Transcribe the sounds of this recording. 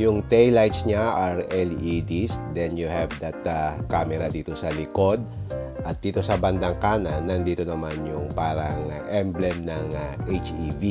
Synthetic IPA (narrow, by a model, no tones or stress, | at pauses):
jʊŋt̪ɛjlajt̪sɲaʔaɹɛlid̪isd̪ɛnjuhɛvd̪ɐt̪akamɛɾɐd̪iːt̪o̞sɐlɪko̞d̪̚ʔɐt̪̚d̪iːt̪o̞sɐbɐnd̪ɐŋkaːnɐnːɐnd̪iːt̪o̞nɐmanjʊŋpaːɾɐŋaʔɛmblɛmnɐŋaʔejt͡ʃivi